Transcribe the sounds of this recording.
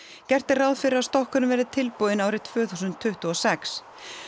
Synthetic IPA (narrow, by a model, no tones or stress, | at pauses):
cɛr̥t̪ɪraðfɪɾɪaðst̪ɔhkʏɾʏmvɛːɾðɪt̪ʰɪlpowðɪnaːwɾɪt̪ʰv̥œːθusʏnt̪ʰːʏht̪ʏɔsɛks